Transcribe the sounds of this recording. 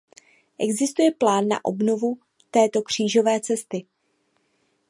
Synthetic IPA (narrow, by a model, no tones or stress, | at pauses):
ʔɛɡzɪst̪ujɛplaːnːa̰ʔo̞bno̞vu | t̪ɛːt̪o̞kr̝̥iːʒo̞vɛːt͡sɛst̪ɪ